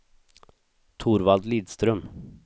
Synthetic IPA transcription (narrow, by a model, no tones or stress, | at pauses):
t̪ʰuːɾvald̪liːd̪st̪ɾœm